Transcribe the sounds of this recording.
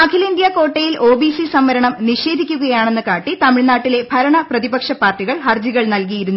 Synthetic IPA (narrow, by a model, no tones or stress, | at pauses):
mɐkʰilind̪jɐko̞ːʈːejilʔo̞ːbisisɐmːɐɾɐɳɐmniʂe̞ːd̪ʱikʲːuɣɐjaːɳe̞nːɨkaːʈːit̪ɐmiɭnaːʈːile̞bʱɐɾɐɳɐprɐðibɐkʂɐpːaːrʈːiɣɐɭhɐrd͡ʑiɣɐɭnɐlk̬ijiɾunːu